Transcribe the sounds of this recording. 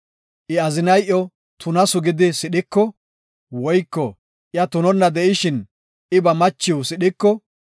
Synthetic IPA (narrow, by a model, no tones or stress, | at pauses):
ʔɪɐzɪnɐjʔɔ | t̪ʰʊnɐsʊɡɪd̪ɪsɪɗɪkːɔ | wɔjkːɔ | ʔɪjɐt̪ʊnɔnːɐd̪ɛʔɪʃɪn | ʔɪbɐmɐt͡ʃːɪwsɪɗɪkːɔ